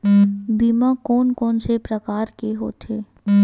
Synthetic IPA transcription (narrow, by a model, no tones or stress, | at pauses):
biːmakɔːnkɔːnsepɾəkaːɾkeɦo̰ːt̪ʰeː